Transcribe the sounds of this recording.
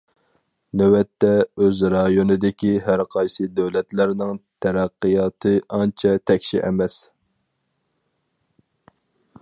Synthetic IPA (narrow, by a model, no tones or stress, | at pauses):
nøwɛt̪ːɛøzɾɑjonɨd̪ɪkʲiɦæɾqʰɑjsɨd̪øwlɛt̪læɾnɪŋt̪ʰɛɾæqːijɑːt̪ʰɨʔɑnt͡ʃʰɛt̪ʰɛkʲʃiʔɛmɛs